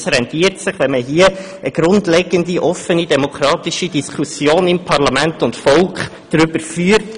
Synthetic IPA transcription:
sɾɛntiːəɾtsɪχʋɛnməɦiːə | ʔəɡ̥ɾʊndlɛɡəndiʔɔfənidɛmɔkʰɾɑːtiʃidiskʰusjoːnɪmpʰɑɾlɑmæntʊntfɔlkχ | d̥ɾʏbəɾfyːɾt

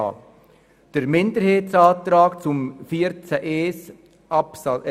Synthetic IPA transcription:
d̥əɾmɪndəɾheːtt͡sɑːt̪ɾaːkt͡sʊmfiːəɾt͡sɛʔeːs | ɑps

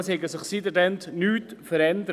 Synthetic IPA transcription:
shɛɡəsɪχsidədɛnt̪nyːtfəɾɛnd̪əɾ

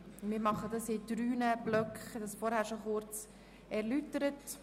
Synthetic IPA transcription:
mɪːɾmɑχədɑsɪdɾyːnəb̥lœkχd̥ɑsfɔɾhæːɾʃoχʊɾt͡s | ɛɾlytəɾət

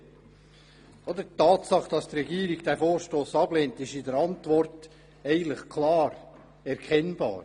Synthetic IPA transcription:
ʔɔd̪ətːɑːtsɑχd̥ɑst̪ɾɛɡiːɾɪɡd̥ɛfoːɾʃtoːsɑbleːntɪʃɪdəɾɑntvɔrt | ɛɪləχkʰlɑːɾ | ɛɾkʰɛnbɑ̰ːɾ

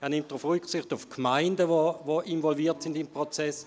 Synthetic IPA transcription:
ɛɐnɪmtʁufʁyksɪχtufkʰmaɪndəʋoʋoʔinvɔlviːɐtsɪndɪmpʁot͡sɛs

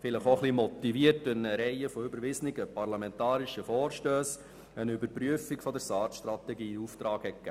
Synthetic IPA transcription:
fɪləχoχlimɔt̪iviərtɪnəɾɛɪəfɔybəɾʋɪsnɪɡəpɑrlɑmɛntɑːɾɪʃəfɔːɾʃtøːs | ənʏbəɾpɾyəfɪkfɔd̪əɾsɑːtʃt̪ɾɑt̪ɛɡiːuft̪ɾɑːɡ̥hɛtkɡæ̰

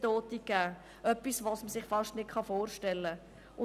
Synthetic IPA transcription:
toːt̪ikːæː | ʔœpːisʋoːsməsɪχfɑʃtnɪtχɑfoːɾʃtɛlːə | ʔʊ

